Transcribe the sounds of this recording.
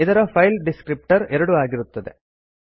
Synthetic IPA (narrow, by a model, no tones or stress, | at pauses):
ɪðɐɾɐfɐjlɖɪskɾɪp̚ʈɐɾɛɾɐɽɯaːɣɪɾɯt̪ːɐðḛ